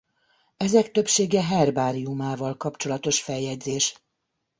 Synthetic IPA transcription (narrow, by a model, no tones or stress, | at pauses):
ɛzɛkt̪ø̞pʃeːɡɛɦɛrbaːɾiumaːvɒlkɒpt͡ʃo̞lɒt̪o̞ʃfɛjjːɛɟzeːʃ